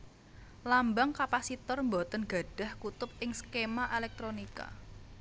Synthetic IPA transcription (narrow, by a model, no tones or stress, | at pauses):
lambaŋkapasit̪ɔrmbot̪ənɡ̥a̤ɖ̥a̤hkut̪ʊp̚ɪŋsə̥kemaʔelɛk̚t̪ɾonika̰